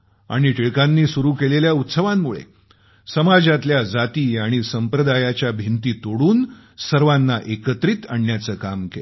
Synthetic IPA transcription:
a̰ɽ̃iʈiɭkãnːiːsuɾuːkeleljaut̪səʋamːuɭḛ | səmad͡zat̪ljad͡zat̪iːaɽ̃isəmpɾəd̪ajat͡ɕjabʱint̪iːt̪oɽuːn | səɾʋanːaʔekət̪ɾit̪ə̰ɳːjat͡səːkamkel

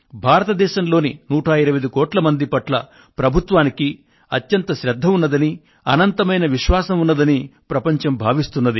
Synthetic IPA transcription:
bʱaːɾɐt̪ɐd̪ɛːʃɐmlo̞ːninuːʈʰaːjiɾɐʋɐd̪ukɔːʈlɐmɐnd̪ipɐʈlɐ | pɾɐbʱut̪ʋaːniki | ɐt̪jɐnt̪ɐʃɾɐd̪ʱːɐmunːɐd̪ɐni | ɐnɐnt̪ɐmɐjnɐʋiʃʋaːsɐmunːɐd̪ɐnipɾɐpɐɲt͡ʃɐmbʱaːʋist̪unːɐd̪i

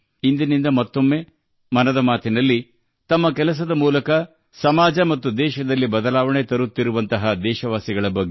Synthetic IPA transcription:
ind̪inind̪ɐmɐt̪ːo̞mːe̞ | mɐnɐd̪ɐmaːt̪inɐlːi | t̪ɐmːɐkɛlɐs̬ɐd̪ɐmuːlɐkɐ | sɐmaːd͡ʒɐmɐt̪ːud̪ɛːʃɐd̪ɐlːibɐd̪ɐlaːʋɐɳet̪ɐɾut̪ːiɾuʋɐnt̪ɐɦɐd̪ɛːʃɐʋaːsiɡɐɭɐbɐɡːe

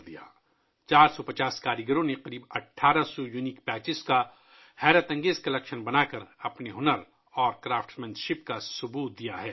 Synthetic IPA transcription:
d̪ija̰ː | t͡ʃaːɾsɔpɐt͡ʃaːskaːɾɪɡəɾõneqɐɾiːbɐʈʰːaːɾasɔjunikpɛːt͡ʃɪska | hɛːɾət̪ɐ̃ŋɡeːzkɐlɐkʃənbɐnaːkəɾɐpneɦʊnəɾ | ɔːɾkɾaːfʈmɛ̃nt̪ʃɪp̚kasʊbuːt̪̚d̪ijaɦɛː

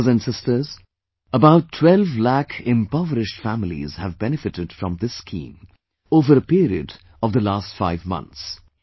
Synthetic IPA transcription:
zæ̃nɖsɪstə˞z | əbaʊtʰːwɛlvlækʰɪ̃mpɔvəɾɪʃʈfæmɪlḭz̥hævbɛnɨfɨtɨd̥fɾʌ̃mðɪsːkʰḭ̃ːm | oːvəɾəpiɾiɨ̰d | ɔvd̪əlaːstfaɪvmʌ̰̃nt̪s

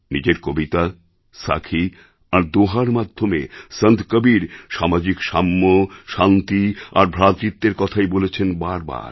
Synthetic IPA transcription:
nid͡ʑeɾkobit̪a | sa̰kʰi | aɾd̪oɦaɾmad̪ʱːomesənt̪kəbiɾʃamad͡ʑikʃamːoʃant̪ia̰ɾbʱɾat̪ɾit̪ːeɾkɔt̪ʰaebolet͡ɕʰenbaɾba̰ɾ

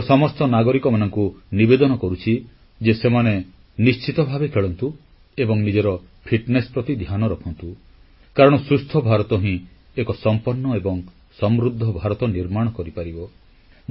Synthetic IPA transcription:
sɔmɔst̪ɔnaɡɔɾikɔmanɔŋkunibed̪ɔnɔkɔɾut͡ʃʰi | d͡ʒesemane | nist͡ʃit̪ɔbʱabekʰeɭɔnt̪u | ebɔŋnid͡ʒeɾɔ | pʰiʈnespɾɔt̪id̪ʱjanɔɾɔkʰɔnt̪u | kaɾɔɽ̃ɔsɾust̪ʰɔbʱaɾɔt̪ɔɦĩ | ekɔsɔmpɔnːɔebɔŋ | sɔmɾud̪ʱːɔbʱaɾɔt̪ɔniɾmaɽ̃ɔkɔɾipaɾibɔ

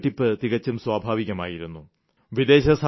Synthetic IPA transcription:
ʈːipːɨt̪iɣɐt͡ɕːumswaːbʱaːʋiɣɐma̰ːjiɾunːu | ʋid̪e̞ːɕɐs

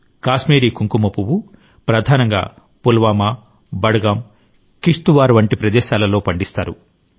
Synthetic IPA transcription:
kaːsmeːɾiːkuŋkumɐpuwu | pɾɐd̪ʱaːnɐŋɡa̰ː | pulʋaːmaː | bɐɽɐɡɐm | kiʂt̪uʋaːɾʋɐɳʈipɾɐd̪ɛːʃaːlɐlo̞ːpɐɳɖist̪aːɾṵ

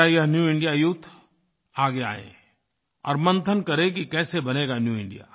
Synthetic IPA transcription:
ajɐɦnjuːɪ̃ɳɖijajʊt̪ʰː | aːɡea̰ːḛ̃ː | ɔ̰ːɾmɐ̃nt̪ʰənkɐɾẽkikɛːsebɐneːɡanjuːɪ̰̃ɳɖija̰ː

